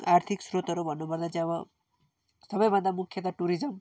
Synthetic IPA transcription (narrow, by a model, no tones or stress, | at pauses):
aɾt̪ʰiksɾot̪ɔɾobʱənubʱad̪ad͡ʒaʋa | səbəjbəd̪ʱamukʰjət̪aʈuɾizəm